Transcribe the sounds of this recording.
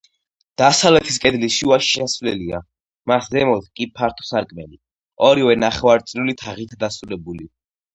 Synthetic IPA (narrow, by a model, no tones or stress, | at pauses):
d̪̥asalɛt̪ʰi̥skʼɛd̪liʃiuaʃi̥asvlɛlia̰ | maszɛmɔt̪ʰkʼipʰaɾt̪ʰɔ̥saɾkʼmɛli | ɔɾivɛnaχɛvaɾt̪sʼɾulit̪ʰaʁit̪ʰd̪asɾulɛbuli